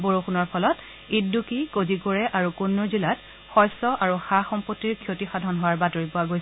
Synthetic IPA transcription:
boɹoxunɔɹpʰɔlɔt | iddukikozikoɹɛʔaɹukunːʊɹzilat | xɔjsɔʔaɹuxaxɔmpɔtːiɹkʰjotixadʱɔnɦʊwaɹbatoɹipʊaɡojs

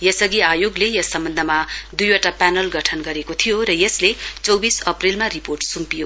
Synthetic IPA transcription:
jʌsʌɡiajoɡlejʌsːʌmbʌnd̪ʱʌmad̪ujwaʈapanʌlɡʌʈʰʌnɡʌɾekot̪ʰijoɾʌjʌslet͡sʌwbisʌprilmariporʈsumpijo

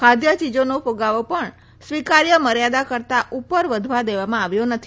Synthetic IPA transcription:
kʰad̪jət͡ʃid͡ʒonopoɡaʋopəɳ | sʋikaɾjəməɾjad̪akəɾt̪aʔupəɾʋəd̪ʱʋad̪eʋamãaʋjonət̪ʰi

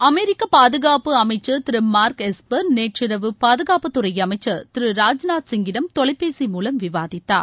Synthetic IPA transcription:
ɐmeɾɪkːɐpaːðɯɣaːpɯɐmɐɪt͡ʃːɐt̪ɪɾɯmaːɾkɛspɐɾneːʈrɪɾɐʋɯpaːðɯɣaːpɐt̪ːɯrɐjɐmɐɪt͡ʃːɐt̪ɪɾɯɾaːd͡ʒnaːt̪sɪŋɡɪnɐmt̪ɔɭɐɪpːeːsimuːlɐmʋɪʋaːðɪt̪ːa̰ːɾ

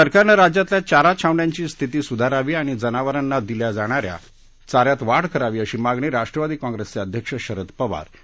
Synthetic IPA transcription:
səɾkaɾnəɾad͡ʑjat̪ljat͡ɕaɾat͡ɕʰaʋɳjãɲt͡ɕiːst̪ʰit̪iːsud̪ʱaɾaʋiːaɽ̃id͡zənaʋəɾənːad̪iljad͡zaɽ̃aɾja̰ | t͡saɾjat̪ʋaɽkəɾaʋiːəɕiːmaɡɳiːɾaʂʈɾəʋad̪iːkɔ̃ŋɡɾest͡seəd̪ʱjəkʂəɕəɾət̪pəʋa̰ɾ

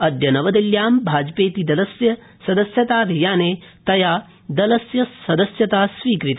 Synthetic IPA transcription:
ɐd̪jɐnɐʋɐd̪ɐljaːmbʱaːd͡ʒpeːt̪id̪ɐlɐsjɐ | sɐd̪ɐsjɐt̪aːʋʱijaːneːt̪ɐjaː | d̪ɐlɐsjɐsɐd̪ɐsjɐt̪aːsʋiːkɾit̪

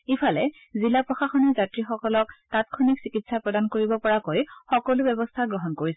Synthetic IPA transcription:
ipʰalɛ | zilapɹɔxaxɔnɔzatɹixɔkɔlɔktatkʰɔniksikitsapɹɔdankoɹibɔpɔɹakojxɔkɔlʊbɛbɔstʰaɡɹɔɦɔnkoɹis

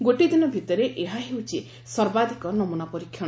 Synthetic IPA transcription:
ɡoʈid̪inɔbʱit̪ɔɾeʔeɦaɦewt͡ʃʰi | sɔɾbad̪ʱikɔnɔmunapɔɾikʰːjɔ̃

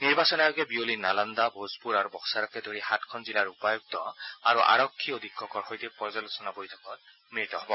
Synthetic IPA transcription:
niɹbasɔnajɔɡɛbiolinaland̪abozpuɹaɹubɔxsaɹɔkɛdoɹixatkʰɔnzilaɹupajuk̚tɔaɹuʔa̰ɹɔkʰːiod̪ʱikʰːɔkɔɹxojtik̚pɔzalɔsɔnabojtʰɔkɔt̚ | mɹit̪ɔɦɔbɔ

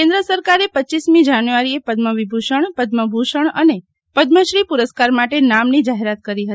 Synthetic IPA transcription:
kẽnd̪ɾəsəɾkaɾepətːt͡ʃismĩd͡ʒanjuʋaɾiepəd̪məʋibʱuʃəɳ̃pəd̪məbʱuʃəɳ̃əne | pəd̪məʃɾipuɾəskaɾmaʈenamnid͡ʒaɦeɾat̪̚kəɾiɦət̪i

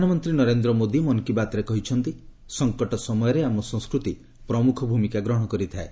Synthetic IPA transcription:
d̪ʱaɽ̃ɔmɔnt̪ɾinɔɾend̪ɾɔmod̪imɔnkibat̪ɔɾekɔɦit͡ʃʰɔnt̪i | sɔŋkɔʈɔsɔmɔjɔɾeamɔsɔŋ̃skɾut̪i | pɾɔmukʰɔbʱumikaɡɾɔɽ̃ɔkɔɾit̪ʰae

